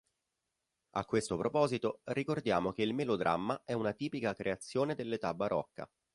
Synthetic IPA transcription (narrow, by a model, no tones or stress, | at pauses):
a̰kːwest̪opɾopɔːzit̪orikord̪jaːmok̟eilmelod̪ɾʔa̰mːaɛunat̪iːpikakɾʔeat̪sːjoːned̪elːet̪abaɾʔɔ̰kːa̰